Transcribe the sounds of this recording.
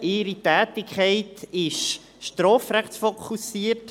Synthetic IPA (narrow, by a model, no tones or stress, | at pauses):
ɪːɾitæːtɪkʰχɛɪtɪʃ | ʃtɾɔːfɾɛχsfokʰusiːət